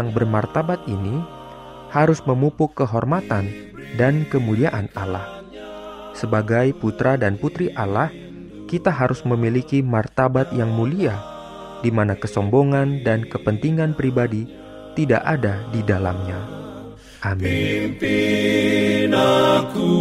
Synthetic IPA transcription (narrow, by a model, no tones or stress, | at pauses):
aŋbərmart̪abat̪̚ini | haɾʊsməmupʊkːəɦɔrmat̪an | dankəmuliaʔanala̰h | səbaɡajput̪ɾadanput̪ɾiʔalah | kit̪aɦaɾʊsməmilikimart̪abat̪jaŋmulia | dimanakəsɔmboŋandankəpənt̪iŋanpɾibadi | t̪ida̰ʔadadidala̰mɲa | ʔamini